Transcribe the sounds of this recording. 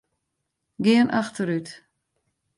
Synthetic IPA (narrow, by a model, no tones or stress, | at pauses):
ɡɪənʔaxtəɾyt